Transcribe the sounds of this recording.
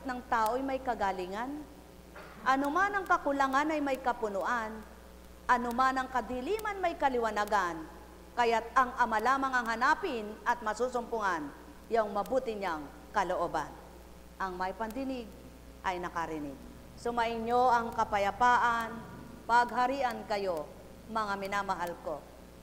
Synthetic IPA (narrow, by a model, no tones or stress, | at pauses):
t̪̚nɐŋt̪aːʔojmɐjkɐɡaliŋan | ʔɐnomanɐŋkɐkʊlaŋanɐjmɐjkɐpʊnʊʔan | ʔɐnomanɐŋkɐd̪ilimanmɐjkɐlɪwɐnaɡan | kɐjat̪̚ɐŋɐmalaːmaŋɐŋɦɐnaːpɪnɐt̪̚mɐsuːsʊmpʊŋan | jaŋmɐbuːt̪ɪɲaŋ | kɐloʔoba̰n | ʔɐŋmɐjpɐnd̪ɪnɪɡ̚ | ʔɐjnɐkaɾɪnɪɡ̚ | somɐʔɪɲoʔɐŋkɐpɐjɐpaːʔan | pɐɡ̚ɦɐɾiʔɐnkɐjo | mɐŋamɪnaːmɐɦalko